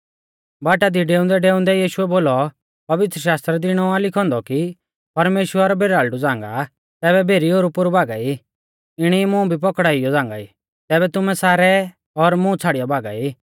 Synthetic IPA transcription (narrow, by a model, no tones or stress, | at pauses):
baːʈad̪iɖeːʊ̃nd̪ɛɖeːʊ̃nd̪ɛjiːʃʊɛboːlɔ | pɐʋɪt̪ɾəʃaːst̪ɾɛd̪ɪɽ̃ɔãlɪkʰɔ̃ːnd̪ɔki | pɐɾmeːʃwəɾbʱeːɾaːlɖud͡zãːŋɡa̰ | t̪ɛːβɛbʱeːɾioːɾupʊɾubaːɡai | ɪɽ̃imũbʱip̬ɔkɽaːɪjɔd͡zãːŋɡa̰i | t̪ɛːβɛt̪ʊmɛsaːɾɛ | ɔɾmũt͡sʰaːɽijabʱaːɡa̰iː